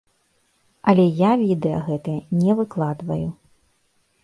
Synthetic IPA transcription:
ɐlʲɛjavʲid̪ɛjɐ̰ɣɛt̪ɨjɐnʲɛvɨklˠad̪vɐ̰ju

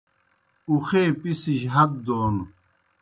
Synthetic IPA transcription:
uxeːpisiɕɦɐt̪̚d̪oːnu

